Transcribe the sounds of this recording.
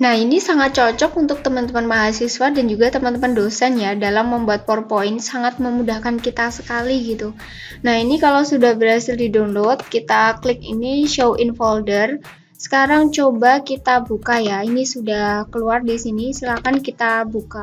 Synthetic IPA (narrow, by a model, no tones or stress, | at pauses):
nahinisaŋat̪̚t͡ʃɔt͡ʃɔkunt̪ʊk̚t̪əmant̪əmanmaɦasiswadand͡ʒuɡat̪əmant̪əmandosanjadalamːəmbuat̪̚pɔrpoɪnsaŋat̪̚məmudahkankit̪asə̥kaliɡit̪u | nahinikalawsudahbərhasɪldidonlot̪̚kit̪aklɪk̚ḭniʃowʔinfɔldər | sə̥kaɾaŋt͡ʃobakit̪abukajainisudakəluardisinisilahkankit̪abuka